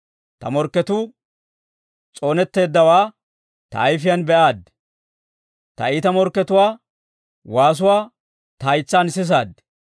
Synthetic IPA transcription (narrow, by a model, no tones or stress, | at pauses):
t̪ɐ̰mɔɾkːɛt̪uː | t͡sʼo̞ːnɛt̪ːe̞ːd̪ːɐwaː | t̪ɐ̰ːjfɪjɐnbɛʔaːd̪ | t̪ɐ̰iːt̪ɐmɔɾkːɛt̪ʊwaː | waːs̬ʊwaː | t̪ɐːjt͡sːaːnsɪs̬aːd̪